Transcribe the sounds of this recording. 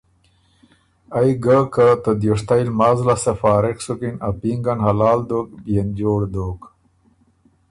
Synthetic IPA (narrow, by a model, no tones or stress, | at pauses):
ajɡəkət̪əd̪joʂt̪ajlmazlasefaːɾeksukinapiŋɡanhɐlaːld̪ok̚bjend͡ʑoːɽd̪oːk